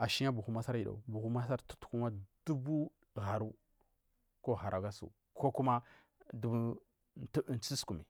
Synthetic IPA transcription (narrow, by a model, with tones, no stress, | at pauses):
a˨ʃi˦a˦bu˨xu˦ma˦sa˦ɾi˨ɗa̰˨u˨bu˨xu˦ma˦sa˦ɾtu̥˦tku˦ma˦d̥u˦bu˦ | ɣa˨ɾu˦ | ko˦ɣa˨ɾʔa˨ɡa˦sṵ˨ | ko˦ku˦ma˦ | du˦bu˦ | tn˨t͡si˦sku˨mḭ˨